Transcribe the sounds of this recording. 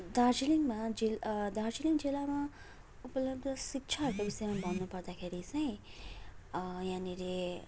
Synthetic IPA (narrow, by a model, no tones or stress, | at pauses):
d̪ard͡ziliŋmad͡zild̪ard͡ziliŋd͡zilama | upʌlʌb̚d̪ʱʌsik̚t͡ʃʰaɦʌɾkobisʌjmabʱʌnːupʌɾd̪axʰeɾit͡sʌj̃ | jãniɾe